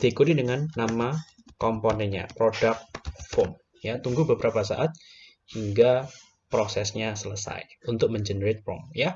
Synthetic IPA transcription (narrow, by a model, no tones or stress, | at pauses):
d̪̥iikut̪idəŋanːama | kɔmponɛnɲa̰pɾodak̪̚fɔm | jat̪uŋɡubəbəɾapasa̰ʔat̪̚ | hiŋɡa | pɾosɛsɲasələsa̰junt̪ʊk̚məɲd͡ʒənəɾet̪̚pɔ̰mja